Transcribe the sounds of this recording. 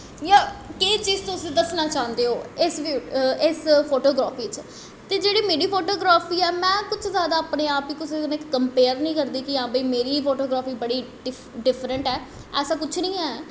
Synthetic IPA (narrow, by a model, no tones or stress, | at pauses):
jaːkeːt͡ʃiːzt̪ʊsĩːd̪əsnaːt͡ʃaːnd̪eːɦoːɪsʋiɪspʰoːʈoːɡɾaːpʰiːt͡ʃ | t̪eːd͡ʒeːɽiːmeːɾiːpʰoːʈoːɡɾaːpʰiːɛːmɛ̃ːkʊt͡ʃʰzjaːd̪aːaːpneːaːpiːkʊseːnɪkːəmpeːəɾnĩːkəɾd̪iːkɪãːbəiːmeːɾiːpʰoːʈoːɡɾaːpiːbəɽiː | ɪ | ɖɪpʰɾəɳʈɛː | ɛːsãːkʊt͡ʃʰnĩːɛː